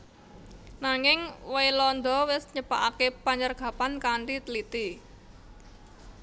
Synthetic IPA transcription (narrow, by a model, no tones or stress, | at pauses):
naŋɪŋwejlɔnd̪ɔwɪsɲəpaʔakepaɲərɡ̥a̤pankaɳʈit̪əlit̪i